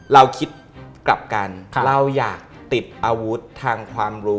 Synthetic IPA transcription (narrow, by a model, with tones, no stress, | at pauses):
ɾa˧wkʰi˦˥t̪̚kla˨˩p̚ka˧nɾa˧wjaː˨˩k̚t̪i˨˩t̪̚ʔaː˧wu˦˥t̪ʰːaː˧ŋkʰwaː˧mɾuː˦˥